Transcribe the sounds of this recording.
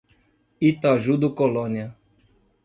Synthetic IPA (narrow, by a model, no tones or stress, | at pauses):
it̪aʒud̪ukolɔnia